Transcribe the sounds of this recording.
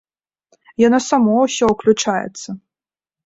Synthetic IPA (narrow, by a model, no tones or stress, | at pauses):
janasamɔwsʲɔuklʲut͡ʂajɛ̰t̪sːɐ